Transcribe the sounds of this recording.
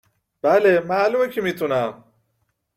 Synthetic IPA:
b̥ælemæːluːmecʰimiːt̪ʰunæm

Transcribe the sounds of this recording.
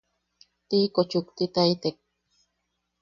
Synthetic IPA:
t̪iːkot͡ʃʊkt̪ɪt̪ajt̪ek̚

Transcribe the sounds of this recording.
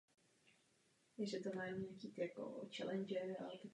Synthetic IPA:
jɛʒɛt̪omaːmɲakiːk̪jako̰t͡ʃɛlɛnd͡ʒɛɾa̰lɛt̪a

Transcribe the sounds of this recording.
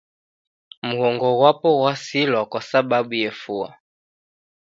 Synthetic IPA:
muhɔŋɡɔɣwapɔɣwasilɔkɔsababujɛfua̰

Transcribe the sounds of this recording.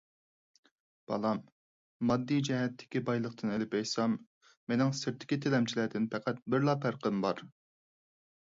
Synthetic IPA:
b̥ɑ̰lˠɑmː | ɑd̪ːijd͡ʒɛɦɛt̪ʰːɪ̥kʲibɑjlˠəq̚t̪ʰɨnelɪpɛjsɑmː | enɪŋsɪɾt̪ʰɪ̥kʲit̪ʰɪlɛmt͡ʃʰilæd̪ɪnpʰɛqʰæt̪̚bɪɾlˠɑpʰæɾqəmbɑɾ

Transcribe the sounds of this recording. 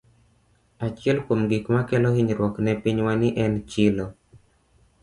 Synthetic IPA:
at͡ʃjɛlkomɡikmakɛlɔiɲɾwɔknɛpiɲwanɪʔɛnt͡ʃɪlɔ

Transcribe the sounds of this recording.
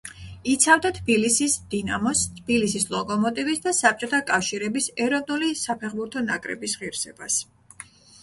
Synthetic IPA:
it̪sʰavd̪at̪ʰb̥ilisisd̪̥inamɔst̪ʰb̥ilisislˠɔkʼɔmɔt̪ʼivisd̪asap̚ʰt͡ʃʼɔt̪ʰakʼafʃiɾɛbisɛɾɔvnulisapʰɛχbuɾt̪ʰɔnakʼɾɛ̰bisʁiɾsɛbas

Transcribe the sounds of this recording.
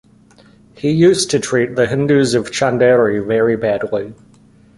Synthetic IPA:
hijʉˑstʰɨtʰɹ̥iˑt̪̚ðəɦɪ̃ndʉzəv̥t͡ʃʰæ̃ndɛɹivɛɹibædˡli

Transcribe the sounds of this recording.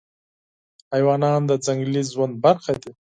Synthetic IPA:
hajwɑːnɑːnd̪ad͡zaŋɡlizwand̪̚baɾxad̪i

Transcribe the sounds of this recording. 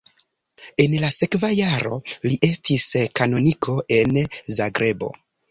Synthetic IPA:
e̞nlase̞kvajaɾo̞̰liʔe̞stʰiskano̞nikʰo̞ʔe̞nzaɡɾe̞bo̞̰

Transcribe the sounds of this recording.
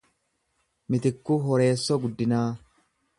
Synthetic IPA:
mɪt̪ɪkːuɦɔɾe̞ːsːɔɡʊd̪ːɪnaː

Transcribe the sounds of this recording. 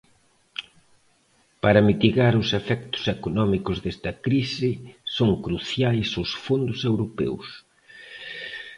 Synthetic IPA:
paɾɐmit̪iɣaɾʊsefɛkt̪ʊ̥sekonɔmikʊzðest̪ɐkɾisɪsoŋkɾuθjajsosfond̪ʊsewɾopɛ̰ws

